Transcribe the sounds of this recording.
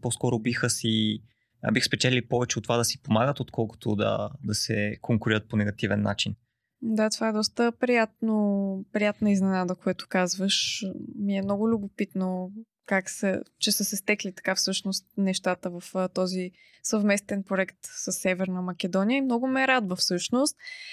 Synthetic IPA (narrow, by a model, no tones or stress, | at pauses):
pɔskɔɾʊbixəsḭ | bixspɛt͡ʃɛlʲilipɔvɛt͡ʃɛot̪ːovad̪ɐsi̥pomaɡət̪ot̪kʰɔlˠko̥t̪ʰo̰d̪ɐ̰d̪ɐsɛkʰoŋkʊɾiɾət̪̚ponɛɡɐt̪ivɛnːa̰t͡ʃin | d̪at̪ovaɛd̪ɔst̪əpɾijat̪̚nopɾijat̪nəiznɛnad̪əkoɛt̪ʊ̥kazvəʃmiɛmnɔɡʊlʲʊbʊpit̪no | kaksɛ̰t͡ʃɛsəsɛst̪ɛklit̪ɐ̥kafsɤʃnost̪̚nɛʃt̪at̪əvəft̪ɔzi | səvmɛst̪ɛnpɾoɛkt̪səsːɛvɛɾnəmɐkɛd̪ɔnijəimnɔɡʊmɛɾad̪vəfsɤʃnost̪